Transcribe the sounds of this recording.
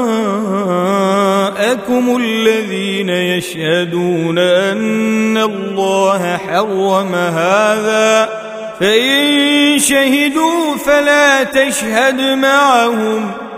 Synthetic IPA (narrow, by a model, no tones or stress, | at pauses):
ʔakʊmʊlːaðiːnajaʃhad̪uːnaʔanːallːɑːɦaħɑrˤːɑmaɦaːðaː | faʔɪnʃahɪd̪uːfalaːt̪aʃhad̪maʕahʊm